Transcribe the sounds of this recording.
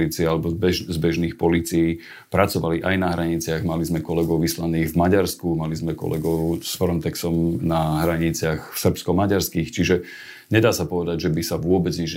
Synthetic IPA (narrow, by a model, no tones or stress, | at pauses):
liːt͡siɛalɛbɔbɛʒzbɛʒniːxpɔliːt͡siji | pɾat͡sɔʋaliʔajnaɦɾaɲit͡sɪaɣmalizmɛkɔlɛɡɔʊʋislaniːɣvmaɟaɾskumalizmɛkɔ̰lɛɡɔʊsfɾɔnt̪ɛksɔmnaɦɾaɲit͡sɪaxsr̩pskɔmaɟaɾskixt͡ʃiʒɛ | ɲɛd̪aːsapɔʋɛd̪aɟʒɛbisaʋʊɔbɛd͡zɲiʒ